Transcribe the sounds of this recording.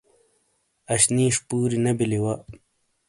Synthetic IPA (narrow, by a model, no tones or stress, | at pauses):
ɐɕniːʂpuːɾinɐbiliwɐ